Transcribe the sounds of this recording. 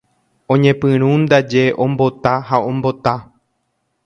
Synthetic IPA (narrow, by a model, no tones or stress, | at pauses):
õ̞ɲẽpɨ̃ɾ̃ũnd̪ad͡ʒe̞ʔõ̞mbo̞t̪aɦaõmbo̞t̪a